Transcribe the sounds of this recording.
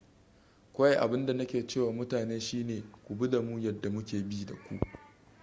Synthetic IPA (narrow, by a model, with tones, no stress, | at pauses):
kʷa˦ja˦˨ʔa̰˨bɪ˦nda˨nɐ˦kʲeː˨t͡ʃeː˦˨waː˨mʊ˦taː˨neː˦ʃiː˦neː˨kʷu˨bi˦da˨mu˦jɐ˦˨dːa˨mʊ˦kʲeː˨biː˦da˨kʷṵ˦ʔ